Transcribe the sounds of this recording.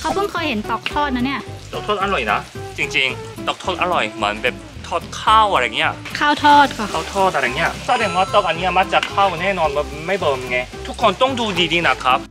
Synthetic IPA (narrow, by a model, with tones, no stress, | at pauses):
kʰa˦˥wpʰɯ˥˩ŋkʰɤː˧jhe˩˦nt̪ɔː˨˩k̚t̪ʰɔː˥˩t̪̚na˦˥ni˥˩ɐt̪ɔː˨˩t̪ʰoː˥˩ʔa˧ɾɔ˨˩jna̰˦˥t͡ɕi˧ŋt͡ɕi˧ŋt̪ɔː˨˩k̚t̪ʰoː˥˩t̪̚ʔa˧ɾɔ˨˩jmɯ˩˦ənbe˨˩p̚ | t̪ʰɔː˥˩t̪̚kʰaː˥˩wʔa˧ɾa˧˩ŋi˦˥ɐ˩kʰaː˥˩wt̪ʰɔː˥˩t̪̚kʰa˧˩aː˥˩wt̪ʰɔː˥˩t̪̚ʔa˧ɾa˧˩ŋni˦˥ɐ˨˩sʰaː˧˥˩ɛ˧nwaː˥˩t̪oː˥˩k̚ʔa˧nːi˦˥ɐ˨˩ma˦˥k̚t͡ɕa˨˩kʰaː˥˩wnɛː˥˩nɔː˧nb | ma˥˩jbɤː˧mjŋːa˧jt̪ʰu˦˥kʰːo˧nt̪ɔ˥˩ŋduː˧diː˧diː˧˥na˦˥kʰɾa˦˥p̚